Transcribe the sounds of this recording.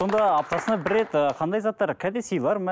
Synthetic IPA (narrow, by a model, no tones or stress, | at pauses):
so̞nd̪ɑːp̚t̪ɑsənɑbɪɾːe̞t̪əqʰɑnd̪ɑjzɑt̪ːɑɾkʲʰæd̪esijlˠɑɾmæ